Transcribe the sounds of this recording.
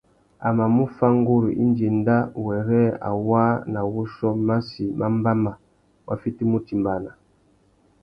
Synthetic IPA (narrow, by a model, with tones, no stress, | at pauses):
a˨ma˨mu˦fa˦ŋ˦ɡu˦ɾu˨ʔḭ˦nd͡ʒe˨nda˦˨wɛ˨ɾɛ˦a̰˨wa˦na˨wu˦ʃɔ˦ma˦si˨mʔa˦m˦ba˦ma˨ | wʔa̰˨fi˦ti˦mu˦ti˨mba˨na˨